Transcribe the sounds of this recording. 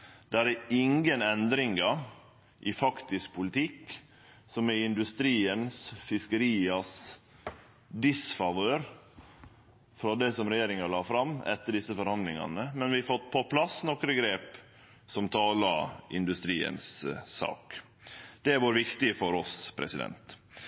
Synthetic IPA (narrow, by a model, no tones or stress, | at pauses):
d̪̥æɾæɪŋɡənɛnd̪ɾɪŋɡɑ | ʔɪfɑkt̪ɪsk̚pʰʊlɪt̪ʰɪk | sɔmɛɪnd̪ʉst̪ɾiːənsfɪskəɾiːɑs | d̪ɪsfɑʋøːɾ | fɾɑd̪ɛsɔmɾɛjeːɾɪŋɑlɑːfɾɑmɛ̰t̪ːəɖɪsːəfɔɾhɑnd̪lɪŋɑ̰nəmɛnʋɪɑfɔt̪̚ːpʰɔpʰlɑsːnɔkɾəɡɾeːp | sɔmt̪ʰɑːlɑʔɪ̰nd̪ʉst̪ɾiːə̰nsːɑ̰ːk | d̪̥ɛʋɑːɾʋɪkt̪ɪfɔɾɔspʰɾɛ̰sɪd̪ɛ̰nt̪